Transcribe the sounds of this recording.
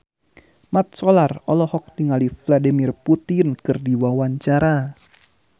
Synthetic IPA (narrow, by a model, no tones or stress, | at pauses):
mat̪̚sɔlarɔlɔhɔk̚diŋalifladimirput̪ɪnkɨrdiwawaɲt͡ʃaɾa